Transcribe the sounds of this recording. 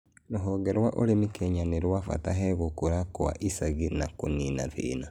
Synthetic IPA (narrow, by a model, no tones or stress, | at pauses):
noɦɔɡɛɾwaʔoɾemikeɲaneɾwafa̰taɦɛɣokuɾakoa̰ʔisaɣinakoninaθḭːna